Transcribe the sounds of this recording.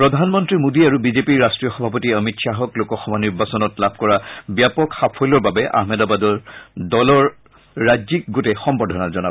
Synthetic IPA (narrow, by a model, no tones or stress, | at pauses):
pɹɔdʱanmɔntɹimodiaɹubizepiɹːastɹijɔxɔbʱap̬ɔtiəmitsaɦɔklokɔxɔmɔniɹbasɔnɔtlabʱkɔɹabjapɔkxapʰɔlɔɹbabɛʔa̰hmɛdabadɔɹdɔlɔɹː | ad͡ʒzik̚ɡotɛxɔmbɔɹdʱɔnazɔna